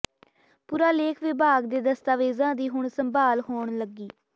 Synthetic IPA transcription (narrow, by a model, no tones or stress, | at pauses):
puːɾaːleːkʰʋɪbʱaːɡd̪eːd̪əst̪aːʋeːzãːd̪iːɦʊɳsəmbaːlɦoːɳləɡiː